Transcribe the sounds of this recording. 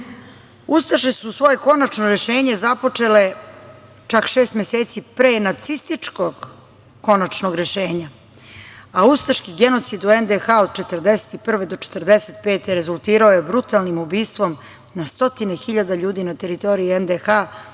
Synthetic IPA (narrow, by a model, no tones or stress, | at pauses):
ust̪aʃesusʋo̞je̞ko̞nat͡ʃnoɾe̞ʃe̞ːɲe̞zapo̞t͡ʂele | t͡ʃakʃeːst̪mʲeseːt̪sipɾeːnat̪sist̪it͡ʂkoɡ | ko̞nat͡ʃnoɡɾe̞ʃe̞ːɲa | aust̪aʃkiɡenot̪sid̪uend̪exaod̪̚t͡ʃe̞t̪ərd̪ese̥t̪ipr̩ʋe̞d̪o̞t͡ʃe̥t̪rd̪eset̪̚pe̞ːt̪eɾe̞zulˠt̪iːɾaojebɾut̪alnimubiːst̪ʋo̞m | nast̪o̞t̪ine̞xiʎad̪aʎuːd̪inat̪e̞ɾit̪o̞ɾiiend̪exa